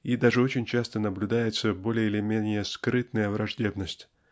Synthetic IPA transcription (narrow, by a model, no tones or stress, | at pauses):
id̪aʐɨot͡ɕɪnʲt͡ɕast̪ənəblʲʊd̪ajɪt̪səbo̞lʲɪjəɪlʲɪmʲenʲɪjəskɾɨt̪nəjəvɾɐʐdʲe̞bnəsʲtʲ